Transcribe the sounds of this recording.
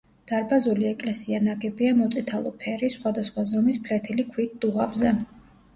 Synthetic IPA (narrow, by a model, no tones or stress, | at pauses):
d̪̥aɾbazuliɛkʼlɛsianaɡɛbiamɔt̪sʼit̪ʰalˠɔpʰɛɾisχwad̪asχwazɔmispʰlɛt̪ʰilikʰwit̪̚d̪̥uʁabzɛ